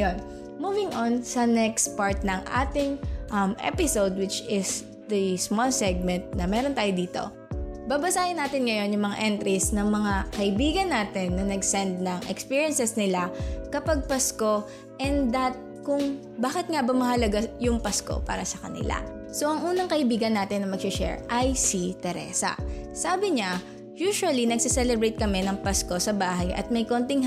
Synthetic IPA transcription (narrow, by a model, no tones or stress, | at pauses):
ɐjon | muːvɪŋʔonsɐnɛkst̪̚paɹt̪̚nɐŋʔa̰ːt̪ɪŋʔɐmʔɛ̰pɪsowd̪̚wɪt͡ʃɪs | d̪ɐsmɔlsɛɡ̚mɛnt̪̚nɐmɛːɾont̪aːjod̪iːt̪o̞̰ | baːbɐsaːhɪnːaːt̪ɪnŋɐjo̞njʊŋmɐŋa̰ʔɛnt̪ɾisnɐŋmɐŋakɐʔɪbiːɡɐnːaːt̪ɪnːɐnɐɡsɛnd̪̚nɐŋʔɛ̰kspiːɹjɐnsɛsnɪlakɐpaɡ̚pɐsko̞ | ʔɛnd̪ɐt̪̚ | kʊŋ | baːkɪt̪̚ŋabɐmɐhɐlɐɡajʊŋpɐsko̰pa̰ːɾɐsɐkɐ̰nɪ̰la̰ | so̞ʔɐŋʔuːnɐŋkɐʔɪbiːɡɐnːaːt̪ɪnːɐmɐɡʃɪʃɛ̰ɹʔɐjsit̪ɛɾɛ̰ːsɐ̰saːbɪɲa | juːʃʊɐlinɐɡsɪsɛlɛbɾɛjt̪̚kɐmɛnɐŋpɐsko̞sɐbaːɦɐjʔɐ̰t̪̚mɐjko̞nt̪ɪŋ